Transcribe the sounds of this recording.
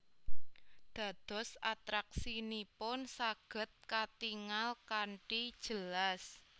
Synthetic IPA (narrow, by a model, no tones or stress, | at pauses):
d̪̥ä̤d̪̥ɔ̤sat̪ɾak̚sinipʊnsaɡ̥ə̤t̪̚kat̪iŋalkaɳʈid̥ʒ̥ə̤las